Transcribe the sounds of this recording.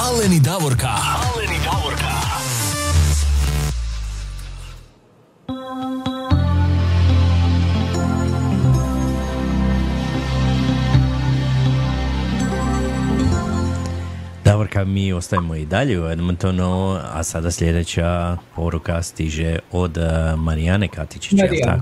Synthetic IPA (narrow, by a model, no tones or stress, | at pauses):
alenid̪aʋoɾkalenid̪aʋoɾka | d̪̥abɾkamiːo̞st̪ajimoid̪aʎeuved̪ment̪onoa̰sad̪asʎe̞d̪et͡ɕapo̞ɾukast̪iʒeod̪maɾianekat̪it͡ʃi̥t͡ʃa̰